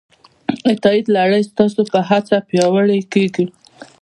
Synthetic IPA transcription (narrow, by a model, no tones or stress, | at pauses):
ɪt̪ɑid̪laɽəjst̪ɑsopəɦat͡sapjɑwəɽəjkeɡi